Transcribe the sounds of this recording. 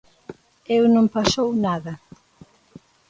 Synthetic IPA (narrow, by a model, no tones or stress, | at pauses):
ewnõmpasownaðɐ